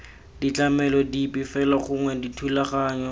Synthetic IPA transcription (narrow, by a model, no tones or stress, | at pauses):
dit͡ɬamɛlɔdipʼifɛlaχʊŋwɛditʰulaχaːɲɔ